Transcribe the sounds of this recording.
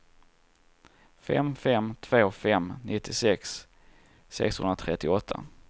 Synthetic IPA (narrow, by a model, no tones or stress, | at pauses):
fɛ̰mfɛmt̪ʰv̥oːfɛmnɪt̪ːɪsɛksː | ɛ̰kshɵ̰nɾat̪ʰɾɛt̪ːɪɔt̪ʰːa̰